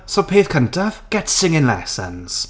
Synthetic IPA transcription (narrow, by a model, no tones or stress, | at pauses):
sopʰeːθkʰə̃ntʰəfɡ̥ɛtsɪ̃ŋɪ̃ŋlɛ̰sə̰̃nz̥